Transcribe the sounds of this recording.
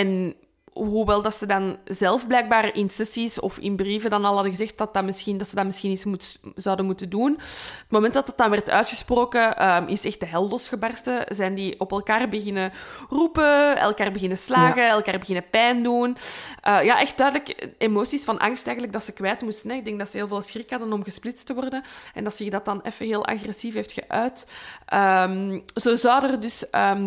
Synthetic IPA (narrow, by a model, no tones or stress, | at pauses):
ɛn | ɦuʋɛlˠdɑtsədɑnzɛlˠfblɛjɡ̚baːrɪnsɛsisɔ̰fɪ̰nbriːvədɑnɑlˠɦɑdəɣəzɛxtdɑt̚ɑmɪsxindɑtsədɑmɪsxiːnismutz̥ɑwdənmutəndunətmomɛnt̚dɑtɑtːɑnʋɛrtœ̰ːtxəsproːkəʔəmɪsɛxt̚dəɦɛlˠdɔsxəbɑrstəzɛjndiʔɔpɛlˠkaːrbəɣɪnərupəɛ̰lˠkaːrbəɣɪnəslaːɣəɛlˠkaːrbəɣɪnəpɛːndunʔəjaʔɛxt̚d̥œːdələkemoːsisfɑnʔɑ̰ŋstɛːɣən̩tələɡ̚dɑtsəkʋɛːtəmustənɛɪɡ̚dɛŋk̚dɑtsəɦeːlˠveːlˠsxrɪkhɑdənɔmɣəsplɪtstəʋɔrdəɛ̰ndɑtsɪxdɑtɑnɛ̰fəɦeːlˠʔɑ̰xrɛsifɦeːftxəʔœːtʔəmz̥oːzɑwdərdʏsəː